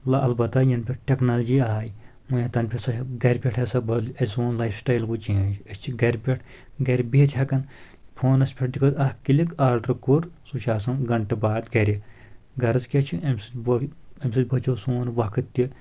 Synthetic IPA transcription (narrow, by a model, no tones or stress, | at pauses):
lɐlbɐt̪ːɐjɐnpʰʲiʈʈʲeknɐld͡ʒiːaːj | mujɐt̪ɐnpʰʲisɐɡɐɾʲpʲeʈʰɐsɐbɐlɐsoːnlɐjfsʈaːjlkut͡ʃẽːnd͡ʒɐsʲt͡ʃʰiɡɐɾʲpʲeʈʰ | ɡɐɾʲbeːt̪ʲʰhɐkɐn | pʰoːnɐsʲpʲʰiʈ̚d̪ikʰɐt̪ɐhkilikaːɾɖɐɾkuɾsut͡ʃʰaːsɐnɡɐɳʈɐbaːd̪ɡɐɾʲi | ɡɐɾɨzkʲɐt͡ʃʰiɐmʲsɨbɐmʲsɐt̪ʲbɐt͡ʃoːsoːnʋɐkʰɨt̪ːi